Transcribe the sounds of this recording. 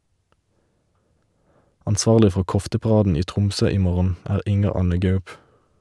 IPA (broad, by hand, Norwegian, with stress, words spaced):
ɑnˈsʋɑːʁlɪ ˈfɔ ˈkɔftəpɑˌʁɑːdn̩ ˈiː ˈtʁʊmˌsøː ˈiː ˈmoːʁən ˈæːʁ ˈɪŋəʁ ˈɑnə ˈɡɑʉp